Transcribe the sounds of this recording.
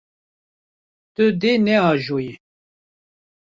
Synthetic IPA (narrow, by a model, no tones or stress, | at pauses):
t̪ɨd̪enɛɑːʒoːje